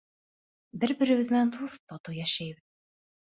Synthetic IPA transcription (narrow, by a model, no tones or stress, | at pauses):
bɘɾbɘ̆ɾɘ̆βɘ̆ðmænt̪ʰuθt̪ɑt̪ɤjæʃæjβɘð